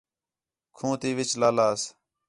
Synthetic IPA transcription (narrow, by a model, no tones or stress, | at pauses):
kʰũːt̪iːʋɪt͡ʃlaːlaːs